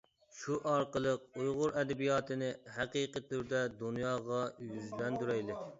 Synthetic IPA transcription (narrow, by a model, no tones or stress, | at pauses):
ʃuʔɑɾqəlˠəq̚ujʁʊɾɛd̪ɛbijɑːt̪ʰɨnɪhɛqiqət̪ʰyɾd̪ɛd̪unjɑːʁɑjyzlɛnd̪yɾɛjlɪ